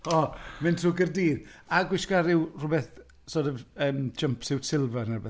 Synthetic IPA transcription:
ɔmɪntʰruːɡərdiːðaɡwɪʃkaɾɪwrʊbɛθ | sodəvəːmd͡ʒəmpʰsɪwtʰɪlˠvɛrnɛbɛ

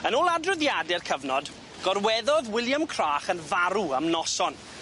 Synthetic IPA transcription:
ənoːlˠadrʊðjadɛrkʰəvnɔd | ɡ̥ɔrwɛðɔðwɪlˠjamkʰr̥aːχənvaɾuamnɔsɔn

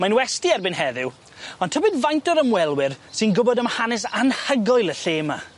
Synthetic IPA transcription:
manwɛstiɛrbɪnɦɛðɪw | ɔntʰəbɨdvajntɔɾəmwɛlˠwɪrsɪnɡʊbɔdəmhanɛs̬anhəɡɔɨlˠəɬeːma

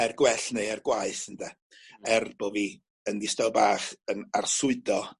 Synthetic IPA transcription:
ɛrɡwɛɬnejɛrɡwaɨθəndɛ | ɛrb̥oːvi | əndɪstawbaːχənarsʊɨdɔ

